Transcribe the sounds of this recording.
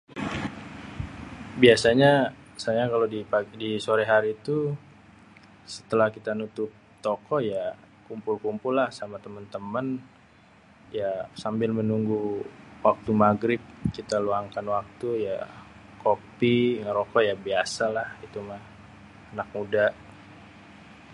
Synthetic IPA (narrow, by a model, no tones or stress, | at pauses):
biasaɲasajakalodipadisoɾɛɦaɾiːt̪u | sə̥t̪əlahkit̪anut̪ʊp̚t̪okɔja | kumpʊlkumpʊlːahsamat̪əmənt̪əmən | jasambɪlmənuŋɡuwak̚t̪umaɡɾɪp̚kit̪aluaŋkanwak̚t̪uja | kopiŋəɾokɔjabiasalahit̪umah | anak̚mudaʔ